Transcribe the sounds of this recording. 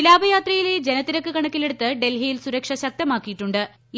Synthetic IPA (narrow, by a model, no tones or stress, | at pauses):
ilaːbɐjaːt̪rɐjile̞d͡ʑenɐt̪ːiɾɐkːɨkɐɳɐkːile̞ɽut̪ːɨɖe̞lɦijilsuɾɐkʂɐɕɐk̚t̪ɐmaːkːijiʈːuɳɖɨ